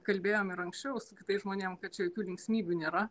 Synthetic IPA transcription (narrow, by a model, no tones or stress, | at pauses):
kɐlʲbʲeːjoːmɪɾɐŋksʲt͡ʃʲɛʊsʊkʲɪ̥t̪ɐɪʒmoːnʲeːmkɐt̪̚t͡ʃʲɛjoːkʲuːlʲɪŋksʲmʲiːbʲuːnʲeːɾɐ